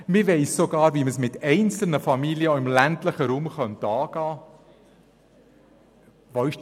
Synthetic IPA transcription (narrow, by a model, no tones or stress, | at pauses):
mɪʋɛɪssoɡɑːɾviːməsmɪtɛɪnt͡sl̩nəfɑmiːlijəoɪmlæntləχəɾuːmχœntɑːɡ̥ɑː | ʋoɪʃ